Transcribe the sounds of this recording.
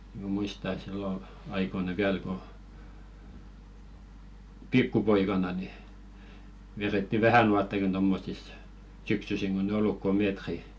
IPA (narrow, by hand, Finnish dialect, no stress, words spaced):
m̆æ̆ muistɑ ĕt silːo ɑikoinɑ ʋiæl ko pikːupoikɑnɑ ni ʋeretːi ʋæhænuɑtːɑkin tomːosis syksysiŋ ɡ̊on ĕ olːuk ko meːtri